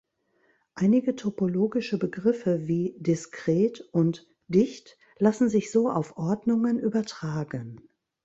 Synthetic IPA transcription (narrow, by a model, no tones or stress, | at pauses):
ʔaɪnɪɡətʰopoloːɡɪʃəbəɡʁɪfəviːdɪskʁ̥eːtʊnt | d̥ɪçt | lasn̩zɪçz̥oːʔa̰ʊfʔɔɐdnʊŋənʔyːbɐtʁ̥aːɡən